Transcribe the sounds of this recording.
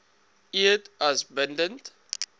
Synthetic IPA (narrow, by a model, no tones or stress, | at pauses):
iətɐsbəndənt